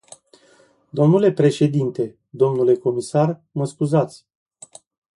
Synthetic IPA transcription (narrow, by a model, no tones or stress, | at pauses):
d̪o̞mnule̞pɾe̞ʃe̞d̪int̪e̞ | d̪o̞mnule̞ko̞misarməskuzat̪sʲ